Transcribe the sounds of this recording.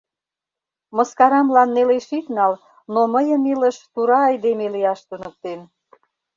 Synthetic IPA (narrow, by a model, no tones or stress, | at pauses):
mə̆skɑɾɑmlɑnːeleʃit̪nɑl | noməjəmiləʃt̪uɾɑːjd̪emelijɑʃt̪unə̆k̚t̪en